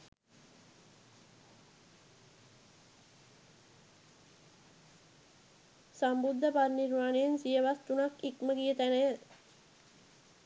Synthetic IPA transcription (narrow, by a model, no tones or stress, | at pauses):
sambud̪ʱːəparniɾmaːnejensijəʋast̪unakikməɡijət̪ænəj